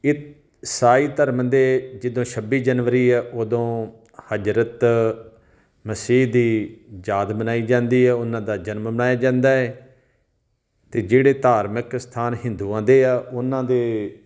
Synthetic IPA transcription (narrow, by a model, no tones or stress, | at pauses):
ɪ | saːiːt̪əɾmd̪eːd͡ʒɪd̪õːʃʰəbiːd͡ʒənʋəɾiːɛːʔoːd̪õː | həd͡ʒɾət̪ | məsiːɦd̪iːd͡ʒaːd̪bənaːiːd͡ʒãːnd̪iːɛːʊnãːd̪aːd͡ʒənmbənaːjaːd͡ʒãːnd̪aːɛː | t̪eːd͡ʒeːɽeːt̪aːɾməkst̪ʰaːnɦɪ̃nd̪uːãːd̪eːaːʔʊnːãːd̪eː